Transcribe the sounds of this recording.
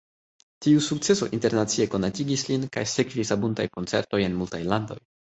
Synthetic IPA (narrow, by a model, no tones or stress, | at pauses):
tiusuk̚t͡se̞so̞̰ʔinte̞ɾnat͡sie̞ko̞natiɡislinka̰jsekvisabuntajko̞nt͡se̞̰ɾto̞je̞nmultajlando̞̰j